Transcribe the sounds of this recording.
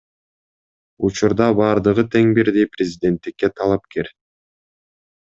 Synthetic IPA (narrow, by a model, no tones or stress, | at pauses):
ut͡ʃuɾd̪ɑbɑːɾd̪ɯʁɯt̪ʰe̞ŋbiɾd̪ijprʲɪzʲɪd̪ʲe̞nt̪ːikːet̪ʰɑlˠɑpke̞ɾ